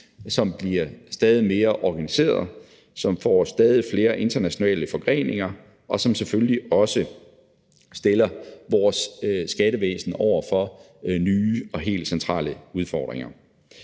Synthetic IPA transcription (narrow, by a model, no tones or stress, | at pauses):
sɒ̽mb̥liɐsd̥ɛːð̞ˠime̝ːɐʔɒɡ̥ænise̝̰ːɐðˠ | sɒ̽mfɒ̰ːsd̥ɛːð̞ˠifle̝ːɐʔe̝nd̥ɐnæɕo̝nɛ̰ːləfɒ̽ɡ̥ʁḛːne̝ŋɐ | ʔɒ̽sɒ̽msefølliɒ̽sə | sd̥elɐʋɒsːɡ̥æɾəʋḛːsn̩ɒʊ̰ɐfɒ̽ | nyːɒ̽ɦe̝̰ːld̥sent͡sʰʁɑ̰̈ːləuð̞ˠfɒ̰ːd̥ʁeŋɐ